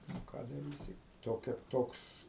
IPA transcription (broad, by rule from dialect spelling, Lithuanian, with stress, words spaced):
nʊ ˈkɑː dɐˈrʲiːsʲɪ toːˈkʲɛ ˈtoːks